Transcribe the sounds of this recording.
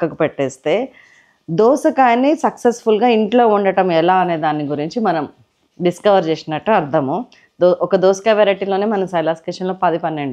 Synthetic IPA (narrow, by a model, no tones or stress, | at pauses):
kːɐkupɛʈːeːst̪e̞ː | d̪oːsɐkaːjnːisɐksesfulɡaːiɳʈlo̞ːuɳɖɐʈɐmɛlaːɐne̞ːd̪aːnːiɡuɾiɲt͡ʃimɐnɐm | ɖiskɐʋɐɾt͡ʃeːsinɐʈːuɐɾd̪ʱɐmu | d̪oɔkɐd̪oːsɐ̥kɐːʋeɾɐʈilo̞ːneːmɐnɐmsɐjlaːsʈeːʂɐnlo̞ːpɐd̪ipɐnːeɳɖi